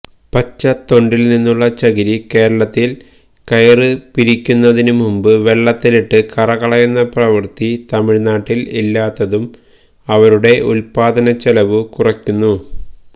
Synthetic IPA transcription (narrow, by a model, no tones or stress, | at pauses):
pɐt͡ɕːɐt̪o̞ɳɖilninːuɭːɐt͡ɕɐɣiɾike̞ːɾɐɭɐt̪ːil | kɐjɐrɨpiɾikʲːunːɐðinumumbɨʋe̞ɭːɐt̪ːiliʈːɨkɐrɐkɐɭɐjunːɐprɐʋɐrt̪it̪ɐmiɻnaːʈːililːaːt̪ːɐðum | ɐʋɐɾuɽe̞ʔulpaːd̪ɐnɐt͡ɕelɐʋɨkurɐkʲːunːu